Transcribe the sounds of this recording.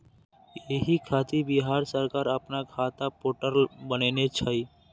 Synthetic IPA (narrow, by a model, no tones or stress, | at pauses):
jeɦikʰaːt̪ibɪɦaːɾsəɾkaːɾəpnakʰaːt̪apoːʈəɾlbəneːnet͡ʃʰaːiː